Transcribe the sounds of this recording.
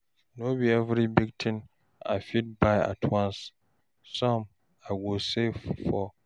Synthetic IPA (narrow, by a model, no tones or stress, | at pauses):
nobiɛvɾibiɡ̚tʰɪ̃n | a̰ɪfit̚baɪa̰tʰwãns | sɔ̃m | aɪwosefɔ